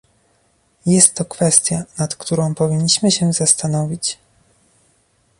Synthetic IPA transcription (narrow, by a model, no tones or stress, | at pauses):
jɛst̪ːɔkfɛst̪ʲjanat̪kt̪uɾɔ̃w̃pɔvʲiɲːiɕmɘɕɛzast̪anɔvʲit͡ɕ